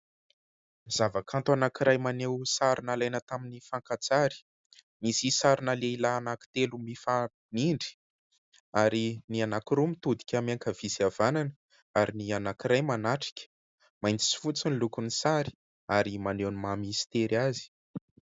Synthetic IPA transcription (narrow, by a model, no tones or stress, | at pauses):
z̥avakʰant̪anakiɾajmanewsaɾunalajnət̪aminifaŋkat͡saɾi̥ | misisaɾunaleilaːnaki̥t̪elumifa | niɳɖ͡ʐi̥ | aɾinianakiɾumit̪ud̪i̥kʲamaŋkəv̥isiavananə | aɾinianakiɾajmanaʈ͡ʂi̥kʲə̥ | majnt͡si̥si̥fut͡sinilukunisaɾi̥ | aɾimanewnimamist̪eɾazi̥